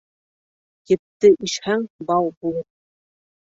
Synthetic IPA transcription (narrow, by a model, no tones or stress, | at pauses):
jɘ̆p̚t̪ɘʔiʃhæŋbɑwˠbulˠɤp̚